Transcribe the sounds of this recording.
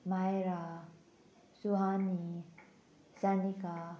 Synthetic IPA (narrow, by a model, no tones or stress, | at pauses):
majɾa | suɦani | sanika